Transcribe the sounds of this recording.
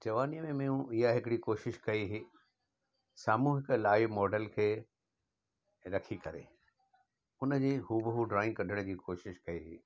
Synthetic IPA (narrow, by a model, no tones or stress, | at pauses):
d͡ʑɐʋaːnijəmẽmẽũʔɪɦaɦɪkɪɽikoːʃɪʃkɐiɦiː | saːmũːɦɪklaːɪʋmɔːɖəlkʰeː | ɾɐkʰikɐɾḛ | ʊnə̆d͡ʑeːɦuːbɦuɖɾaːɪ̃ŋkɐdʱəɽ̃d͡ʑiːkoːʃɪʃkɐiɦḭː